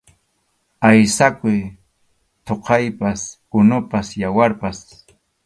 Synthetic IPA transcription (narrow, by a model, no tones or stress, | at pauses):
ajsakʊj | t̪oqɑjpaskʊnʊpasjawaɾpas